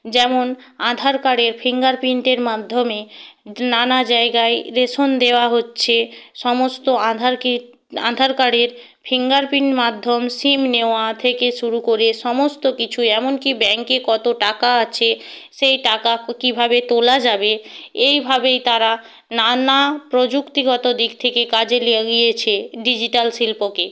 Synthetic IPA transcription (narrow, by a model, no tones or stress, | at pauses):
d͡ʑɛmon | ad̪ʱaɾkaɽeɾpʰiŋɡaɾpiɳʈeɾmad̪ʱːomenanad͡ʑaeɡaeɾeʃond̪eoaɦotːɕʰeʃɔmost̪oãd̪ʱaɾki | a̰d̪ʱaɾkaɽeɾ | pʰiŋɡaɾpiɳʈmad̪ʱːomsimneoat̪ʰekeʃuɾukoɾeʃɔmost̪okit͡ɕʰuɛmonkibɛŋkekɔt̪oʈakaat͡ɕʰeʃejʈakakibʱabet̪olad͡ʑabeejbʱabejt̪aɾa | nanapɾod͡ʑukt̪iɡɔt̪od̪ikt̪ʰekekad͡ʑeliaɡijet͡ɕʰeɖid͡ʑiʈalsilpoke